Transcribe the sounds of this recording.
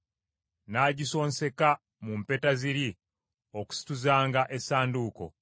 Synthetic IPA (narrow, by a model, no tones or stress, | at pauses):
naːɟiso̞ːnse̞ka | mumpe̞taziɾi | o̞ku̥si̥tuzaːŋɡaʔe̞saːnduːko̞̰